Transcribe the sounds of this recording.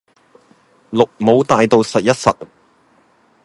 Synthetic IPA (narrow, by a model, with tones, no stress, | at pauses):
lʊ˨k̚mo˨˧wt̪aː˨˧jt̪o˨˧wsɐ˨t̚jɐ˥t̚sɐ˨t̚